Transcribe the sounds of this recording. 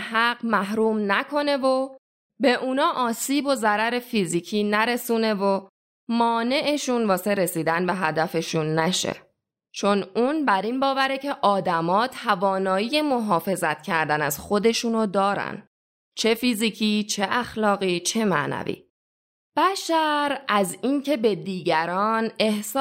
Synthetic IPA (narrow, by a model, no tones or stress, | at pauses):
ɦæɢmæɦɾuːmnækʰo̞ne̞vo | be̞ʔuːnɒːʔɒːsiːbo̞zæɾæɾe̞fiziːcʰiːnæɾe̞suːne̞vo | mɒːne̞ʔeʃunvɒːse̞ɾe̞siːd̪ænbe̞ɦæd̪æfe̞ʃunːæʃḛ | t͡ʃʰo̞nunbæɾinbɒːvæɾecʰe̞ʔɒːd̪æmɒːt̪ʰævɒːnɒːjije̞mo̞ɦɒːfe̞zæt̪cʰæɾd̪ænæz̥xo̞d̪e̞ʃunod̪ɒːɾæ̰n | t͡ʃʰe̞fiziːcʰit͡ʃʰe̞ʔæxlɒːɣiːt͡ʃʰe̞mæ̰ʔnæ̰vḭː | b̥æʃæɾæziːncʰe̞be̞d̪iːɟæɾɒːne̞hs